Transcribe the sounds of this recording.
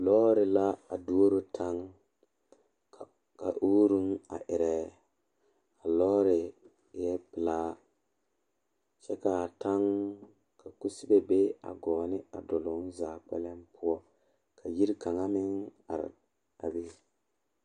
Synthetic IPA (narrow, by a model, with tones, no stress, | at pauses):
lɔː˦ɾɪ˨la˦a˨du˦o˦ɾo˦tʰa˦ŋ | ka̰˨ʔu˦ɾu˦na̰˨ʔɪ˨ɾɛ˨ | a˨lɔː˦ɾɪ˨ | jɛ˦pɪ˨laː˦ | t͡ʃɛ˦ka˨ta˦ŋ | ka˨ku˦si˦be˨be˦a̰˨ɡɔː˨nɪ˦a̰˨dɔ˨lʊ˨˦n˦zaː˨k͡pɛ̰˦lɛ˦mpʊ˦ɔ˦ | kʰa˨ji˦ɾka˨ŋa˦mɪ˦ŋa̰˨ɾ̰ | a̰˨be˦